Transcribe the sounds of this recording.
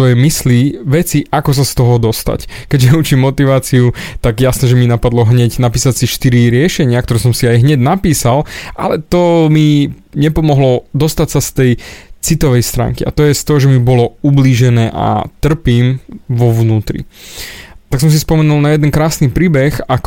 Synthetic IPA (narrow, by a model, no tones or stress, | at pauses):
ɔjɛmisliʋɛt͡siʔakɔs̬ast̪ɔɦɔd̪ɔst̪a̰ckɛɟʒɛut͡ʃimːɔt̪iʋaːt͡siut̪aɡjasnɛʒɛminapad̪lɔɦɲɛɟnapiːsat͡siʃt̪iɾiɾɪɛʃɛɲɪak̚t̪ɔɾɛsɔmsiajɦɲɛɟnapiːsalʔa̰lɛt̪ɔmi | ɲɛpɔmɔɦlɔd̪ɔst̪acsast̪ɛjt͡sit̪ɔʋɛjst̪ɾa̰ːŋkia̰t̪ɔjɛst̪ɔɦɔʒɛmibɔlɔubliːʒɛnɛːʔa̰t̪r̩piːmʋɔʋnuːt̪ɾḭ | t̪aks̬ɔms̬ispɔmɛnulˠnajɛd̪ɛnkɾaːsnipɾiːbɛxak